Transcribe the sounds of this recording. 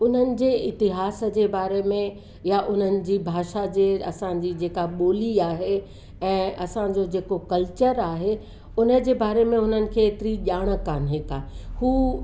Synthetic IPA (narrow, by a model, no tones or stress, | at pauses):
ʊn̤ənɪ̆d͡ʑeːɪt̪ɪɦaːsə̆d͡ʑeːbaːɾemẽ | jaʔʊn̤ənɪ̆d͡ʑiːbʱaːʃad͡ʑeːɐ̰sã̆d͡ʑiːd͡ʑeːkaɓoːliaːɦe | ɛ̃ːʔɐsãd͡ʑod͡ʑeːkokɐlt͡ɕəɾaːɦe | ʊnə̆d͡ʑeːbaːɾemẽɦʊn̤ənɪ̆kʰeːt̪ɪɾiʄaːɽ̃ə̆kaːnɦeːkaːhuː